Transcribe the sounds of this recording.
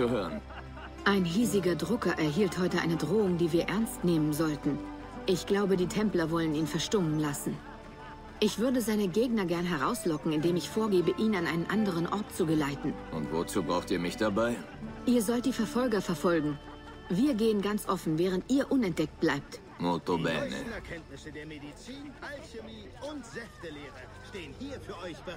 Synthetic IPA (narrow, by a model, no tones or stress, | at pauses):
t͡suhøːʁən | ʔaɪnɦiːzɪɡɐdʁʊkɐʔɛɐɦiːlthɔʏtəʔa̰ɪnədʁoːʊŋdiːviːɐʔɛɐnstneːmənzɔltn̩ | ʔɪçɡ̥laʊbədiːtʰɛmplɐvɔləniːnfɛɐʃtʊmənlasn̩ | ʔɪçv̥ʏɐdəzaɪnəɡeːɡnɐɡɛɐnɦɛʁ̞aʊslɔkŋ̩ɪndeːmɪçfoːɐɡeːbəʔiːnanʔaɪnənʔandəʁ̞ənʔɔɐtt͡suɡəlaɪtn̩ʔʊntv̥ot͡suːbʁaʊxtiːɐmɪçd̥abaɪ | ʔiːɐzɔlt̚d̥iːfɛɐfɔlɡɐfɛɐfɔlɡŋ̩ | viːɐɡeːənɡant͡sʔɔfn̩vɛːʁ̞əntʔiːɐʔʊnɛnt̚d̥ɛk̚t̚b̥laɪp̚t | moːtobɛ̰ːnə̰ɛɐkʰɛntnɪsədeːɐmedit͡siːnʰalçemiː | ʊntzɛftəleːʁə | ʃteːənhiːɐfyːɐɔç̥